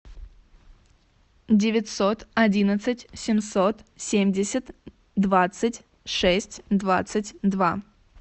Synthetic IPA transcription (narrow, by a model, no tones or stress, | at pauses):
dʲɪvʲɪtʲsot̪ɐdʲinət̪sɨtʲsʲɪmsot̪sʲemʲdʲɪsʲət̪ | d̪vat̪sɨtʲ | ʂɛsʲtʲd̪vat̪sɨtʲd̪va